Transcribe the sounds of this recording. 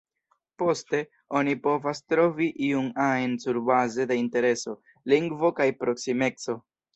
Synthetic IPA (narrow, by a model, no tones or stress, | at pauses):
po̞ste̞ | o̞nipo̞vastɾo̞viʔiunajnsuɾbaze̞deinte̞ɾe̞so̞ | liŋɡvo̞kajpɾo̞ksime̞t͡so̞